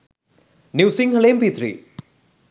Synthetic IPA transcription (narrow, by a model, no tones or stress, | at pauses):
niwsiŋɦɐleːmpit̪ɾḭ